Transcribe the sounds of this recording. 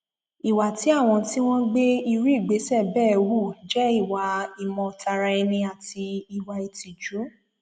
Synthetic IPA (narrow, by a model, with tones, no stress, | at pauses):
i˨wa˨ti˨˦a˦˨w̃ɔ̃˧ti˦w̃ɔ̃˦ɡ͡be˦i˧ɾu˦i˦˨ɡ͡be˨˦sɛ˦˨bɛː˦˨wu˦˨d͡ʒɛ˦i˦˨wa˨i˧mɔ̃˧tʰa˧ɾa˧ɛ˧nĩ˧a˨ti˧i˨wa˧i˧ti˨d͡ʒu˨˦